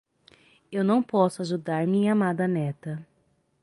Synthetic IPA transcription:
ewnɐ̃w̃pɔsʊaʒud̪aɾmĩamad̪ɐnɛt̪ɐ

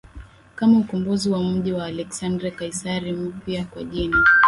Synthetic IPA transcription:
kamaukumbuziwam̩ʄiwaːlɛksandɾakaisaɾim̩pjakwaʄina

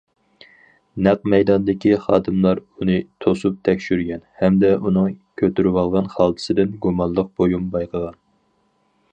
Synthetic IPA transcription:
næq̚mɛjd̪ɑnd̪ɪkʲiχɑːd̪ɨmlˠɑɾunɨt̪ʰosup̚t̪ʰɛkʲʃyɾɡʲɛnhɛmd̪ɛʔunɨŋkʲʰøt̪yɾwɑlˠʁɑnχɑlˠt̪ʰɨ̥sɨd̪ɪnɡumɑnlˠəq̚b̥ojumbɑjqʰəʁɑn

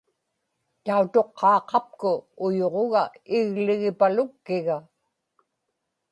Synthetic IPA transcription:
t̪aut̪o̞qʰːɑːqɑp̚kʊːjoʁoɣaɪɣlɪɣɪpalʊkːɪɣa

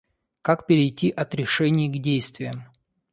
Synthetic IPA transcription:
kakpʲɪɾʲɪjtʲiʔɐt̪ɾʲɪʂɛnʲɪjɡdʲejst̪vʲɪjəm

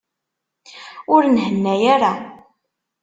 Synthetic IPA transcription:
ʊɾnhənːæjaɾa

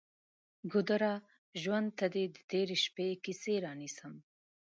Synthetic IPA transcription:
ɡʊd̪aɾɑ | ʒwand̪̚t̪ad̪ed̪ət̪eɾeʃpekiseɾɑnisəm

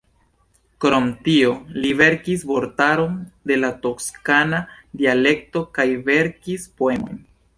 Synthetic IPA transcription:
kɾo̞mtio̞live̞ɾkisvo̞ɾtaɾo̞nde̞lato̞kskanadiale̞k̚to̞kajve̞ɾkispo̞e̞mo̞̰jn

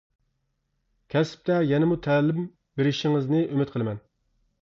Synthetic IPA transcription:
kʲʰɛsp̚t̪ɛjɛnɪmut̪ʰɛːlɪm | beɾɪʃiŋɨznɨʔymɪt̪̚qʰəlˠɨmɛn

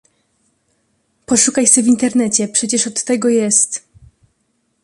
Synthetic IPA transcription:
pɔʂukajsɛvʲint̪ɛɾnɛt͡ɕɛpʂɛt͡ɕɛʂɔt̪ːɛɡɔjɛst̪

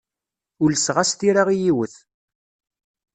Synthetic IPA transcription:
ʊləsʁast̪iɾaʁijiwəθ

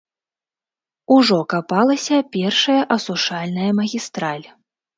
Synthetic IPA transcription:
uʐɔkapalˠɐsʲɐpʲɛrʂɐjɐʔɐsuʂalʲnɐjɐmɐɣʲist̪ɾalʲ

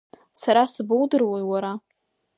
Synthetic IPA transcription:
saɾasbowdɨrwajwaɾa

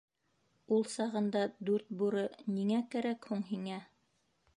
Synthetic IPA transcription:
ulˠsɑʁɤ̆nd̪ɑd̪ʉɾt̪̚buɾɤniŋækæɾækhuɴɦiŋæ

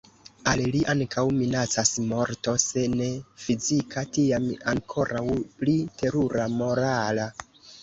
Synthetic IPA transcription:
alliʔaŋkʰawminat͡sasmo̞ɾto̞se̞ne̞fizikʰatiamaŋkʰo̞ɾawplite̞ɾuɾamo̞ɾala

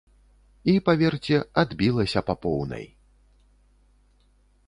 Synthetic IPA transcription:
ipavʲɛrt͡sʲɛad̪bʲilˠɐsʲɐpapɔwnɐ̰j

